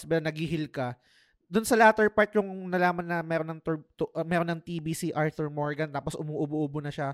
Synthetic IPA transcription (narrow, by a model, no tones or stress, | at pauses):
spɛːɾonɐɡiɦɪlkɐ | d̪ʊnsɐlaat̪ɛɹpaɹt̪̚jʊŋnɐlaːmɐnːɐmɛːɾonːɐŋt̪ut̪ʔmɛːɾonːɐŋt̪iːbiːsiʔaɹt̪uɹmoɹɡɐnt̪aːposʔʊmuːʔboʔʊbonɐʃa